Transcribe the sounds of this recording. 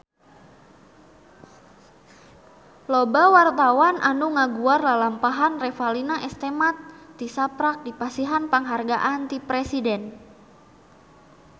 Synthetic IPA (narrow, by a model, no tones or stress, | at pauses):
lɔbawart̪awanʔanuŋaɡuarlalampaɦanrɛfalinaʔɛst̪ɛmat̪̚ːisapɾak̚dipasiɦanpaŋɦarɡaʔant̪ipɾɛsidɛn